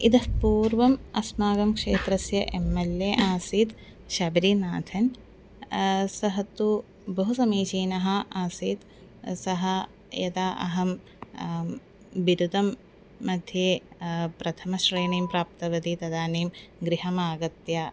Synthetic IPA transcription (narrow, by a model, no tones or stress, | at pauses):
id̪ɐpuːɾʋɐmɐsmaːɡɐmkʂeːt̪ɾɐsjɐʔemːeljeːʔaːsiːt̪ | ʃaːbiɾinaːt̪ʰɐn | sɐɦɐt̪u | bɐɦusɐmiːt͡ʃiːnɐɦɐaːsiːt̪ | sɐɦɐ | jɐd̪aːʔɐ̰ɦɐm | ʋiɾud̪ɐmː | ɐd̪ʱjeːpɾɐt̪ʰɐmɐʃɾeːniːmpɾaːp̚t̪ɐʋɐd̪it̪ɐd̪aːniːmɡɾiɦɐmaːɡɐt̪jaː